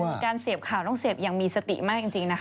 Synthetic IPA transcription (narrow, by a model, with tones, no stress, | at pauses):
kaː˧nsi˨˩əp̚kʰaː˨˩wnɔː˥˩ŋsiː˨˩əp̚ja˧ŋmiː˧sa˧t̪ḭ˨˩maː˥˩k̚t͡ɕi˧ŋt͡ɕi˧ŋna˦˥kʰ